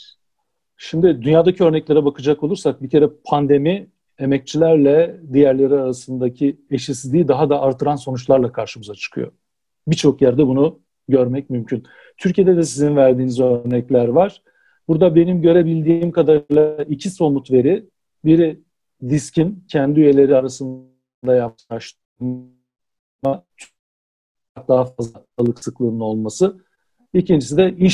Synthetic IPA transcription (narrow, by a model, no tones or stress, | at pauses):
ʃimd̪ɪd̪ynjaːd̪acʰiø̞ɾnɛclʲe̞ɾɛbakʰɯd͡ʒako̞lˠuɾsak̚bicʰe̞ɾɛpʰand̪e̞mi | e̞mɛc̚t͡ʃʰilʲæɾlʲɛd̪ijæɾlʲe̞ɾiaɾasɯnd̪acʰieʃisizd̪iːd̪aɦad̪aʔːɾt̪ʰɯɾanso̞nut͡ʃlˠaɾlˠakʰaɾʃɯmɯzat͡ʃʰɯ̥kʰɯ̰jo̞̰ | bit͡ʃʰo̞kjæɾd̪ɛbunu | ɟø̞ɾmɛc̚mymcʰyn | t̪ʰyɾcʰije̞d̪ɛd̪ɛsizinvæɾd̪iːnizøɾnɛclʲæɾvaɾ̥ | b̥uɾd̪abe̞nimɟø̞ɾe̞bilʲd̪iːmkad̪aɾlˠaicʰiso̞mut̪ve̞ɾi | biɾi | d̪iscʰincʰænd̪iyje̞lʲe̞ɾiaɾasɯn | d̪ajap̚aʃt̪ | at͡ʃʰ | k̚d̪aɦafazlaalˠɯksɯklˠɯːnɯno̞lˠmasɯ | icind͡ʒisid̪ɛʔiʃ